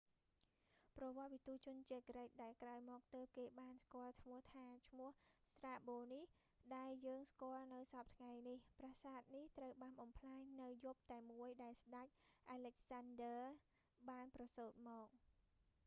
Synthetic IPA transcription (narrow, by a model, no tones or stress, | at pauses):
prɑʋŏət̪ʋit̪ut͡ɕʊ̆ənt͡ɕeːkrəc̚ɗaɛlkraɔjmɔːk̚t̪əːp̚keːɓaːnskŏəlt̪ʰmuəht̪ʰaːt͡ɕʰmʊ̆əhst̪raːɓoːnih | ɗaɛljəːŋskŏəlnɨwsɑp̚t̪ʰŋajnihprasaːt̪̚niht̪rəwɓaːnɓɑmpʰlaːɲnɨwjŭp̚t̪aɛmuəjɗaɛlsɗac̚ʔaːlɛk̚sandəː | ɓaːnprɑsoːt̪̚mɔːk̚